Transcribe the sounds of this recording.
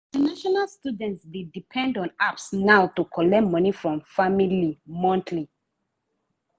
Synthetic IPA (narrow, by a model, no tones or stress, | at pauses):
ĩntanaʃɔnalstudɛ̃ntsdedipʰɛ̃ndɔ̃napsnawtukʰɔlɛmʌnifɹɔ̃mfamilimɔ̃ntʰli